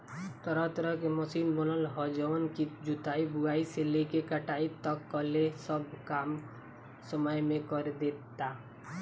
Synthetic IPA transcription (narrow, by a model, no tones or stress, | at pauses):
t̪əɾət̪ɾəkeməsinbənəlɦɔd͡ʒɔnkid͡ʒut̪aibuaiselekekəʈait̪ʌkːɔlesʌbʱkam | səməjmekɔɾed̪ett̪ːa